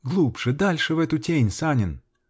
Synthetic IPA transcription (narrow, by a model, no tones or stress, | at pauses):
ɡlˠupʐ̥ɨd̪alʲʂɨvɛt̪ʊtʲenʲsanʲɪn